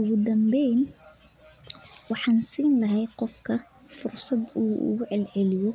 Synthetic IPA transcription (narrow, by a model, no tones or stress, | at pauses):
ʊɣʊd̪ɐmbɛːn | wɑħɑːnsiːnlɐɦɛjqɔfkʰɐ | fʊrsɑd̪uːṵːʕɛlʕɛlɪjɔ